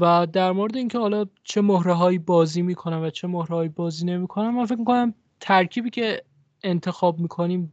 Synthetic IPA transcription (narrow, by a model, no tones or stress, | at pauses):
væd̪æɾmoɾed̪eiːncʰehɒːlɒːt͡ʃʰe̞mohɾeɦɒːjiːbɒːziːmiːkʰo̞næmvæt͡ʃʰe̞mohɾehɒːjiːbɒːziːne̞miːkʰo̞næmːænfec̬̚mikʰo̞næm | t̪ʰæɾcʰiːbiːcʰe̞ | ent̪ʰe̞xɒːb̚miːkʰo̞niːm